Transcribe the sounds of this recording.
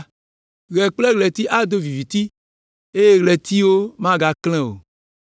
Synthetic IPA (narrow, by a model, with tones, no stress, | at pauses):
ɣɛ˨k͡plɛ˦ɣlɛ˨t̪i˦ʔa˦d̪o˦vi˨vi˨t̪i˦ | e˦je˦ɣlɛ˨t̪i˦wo˦mã˦ɡa˨klɛ̃˦o̰˨